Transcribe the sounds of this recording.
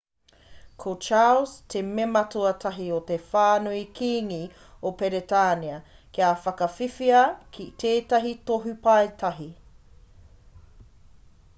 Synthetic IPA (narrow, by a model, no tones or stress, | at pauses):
kʰot͡ʃaːlstʰememɐtoɐtʰɐɦiotefaːnuikʰiːŋi | opeɾetaːniɐkiafɐkɐfifiɐkʰitʰeːtɐɦitoɦupɐetʰɐɦi